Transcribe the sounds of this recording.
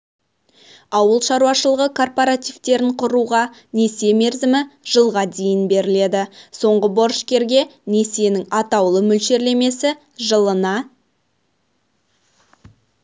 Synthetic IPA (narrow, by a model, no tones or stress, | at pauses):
ɑwəlˠʃɑɾuwɑʃəlˠəʁəkʰo̞rpoɾat̪ijvt̪e̞ɾɪɴqʰʊɾuʁɑne̞se̞me̞ɾzɪmɪʒ̥əlˠʁɑd̪e̞jɪnbe̞ɾɪle̞d̪ɪso̞ɴʁəbo̞ɾʃkʲe̞ɾɡʲe̞ne̞se̞nɪŋɑt̪ɑwlˠəmʏlʃe̞ɾle̞me̞sɪ | ʒəlˠənɑ